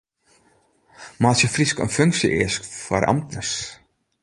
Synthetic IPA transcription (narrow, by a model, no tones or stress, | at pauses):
maːsjəfriskə̰nfʏŋksjəʔɪ̰ːskfwa̰ɾʔa̰mt̪nəs